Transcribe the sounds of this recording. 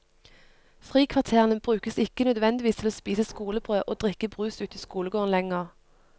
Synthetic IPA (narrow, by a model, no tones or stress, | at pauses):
fʁiːkʰʋɑʁt̪ʰeːʁənəbʁʉːkəsɪkənœd̪ʋɛnd̪ɪʋiːst̪ʰɪloːspiːsəskuːləbʁøːʔoːd̪ʁɪkəbʁʉːsʉːt̪iːskuːləɡoːʁnlɛŋəʁ